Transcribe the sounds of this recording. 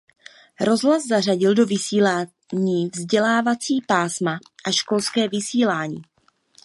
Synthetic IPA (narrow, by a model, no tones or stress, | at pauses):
ɾo̞zɦlaszar̝aɟɪldo̞vɪsiːla | ɲiːvzɟɛlaːvat͡siːpaːsmaʔaʃko̞lskɛːvɪsiːlaːɲḭː